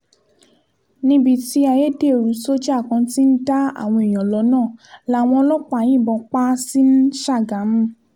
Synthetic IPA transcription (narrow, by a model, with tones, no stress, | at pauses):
nĩ˧˦bi˦˨ti˧a˧je˦de˦˨ɾu˨˦so˦d͡ʒa˦˨kã˧ti˦n̩˦da˦a̰˦˨w̃ɔ̃˧i˨j̃ɔ̃˨lɔ˨˧˦nãː˦˨la˨˦˨w̃ɔ̃˧ɔ˧lɔ˦k͡pa˦˨j̃ĩ˦˨bɔ̃˧k͡pa˦si˦n̩˦ʃa˦˨ɡa˨˦m˦